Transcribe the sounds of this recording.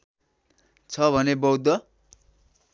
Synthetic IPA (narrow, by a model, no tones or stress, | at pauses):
t͡sʰʌbʱʌnebʌwd̪ːʌ